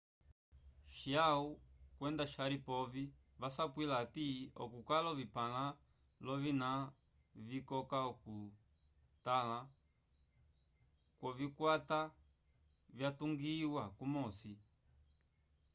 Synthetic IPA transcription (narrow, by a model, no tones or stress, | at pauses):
ʃiaukwɛndaʃaɾipɔvi | vasapwilatiɔ̰kukalɔvipala | lɔvina | vikɔkaɔku | tala | kwɔvikwata | vjatuŋɡiwakumɔsi